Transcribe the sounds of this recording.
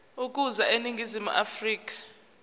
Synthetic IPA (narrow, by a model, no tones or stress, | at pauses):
uk̬ʼuzaeniŋɡʱizimṵʔa̰friːk̬ʼḁ